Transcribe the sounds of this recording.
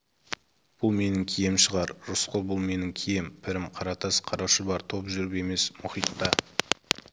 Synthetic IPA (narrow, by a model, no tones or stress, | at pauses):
b̥ʊlˠme̞nɪŋkʲʰijemʃəʁɑɾʒʊsqʰʊlˠbʊlˠme̞nɪŋkʲʰijempʰɪɾɪmqʰɑɾɑt̪ʰɑsqʰɑɾɑʃəbɑɾt̪ʰo̞pʒʏɾɪpe̞me̞smʊχijt̪ːɑ